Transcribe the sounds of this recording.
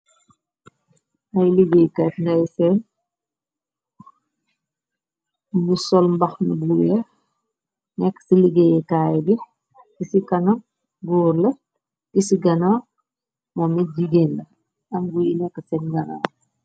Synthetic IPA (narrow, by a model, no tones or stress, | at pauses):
ʔɐjliɡejkatndɐjsɛn | musɔlmbɐxmibulːɛ | nɛkːsiliɡejɛkaːjbi | kisikɐnɐ | ɡɔːɾlɐ | kisiɡɐna | mɔmid͡ʒiɡeːnlɐ | ɐmɡujinɛkːəsɛnɡɐna̰ː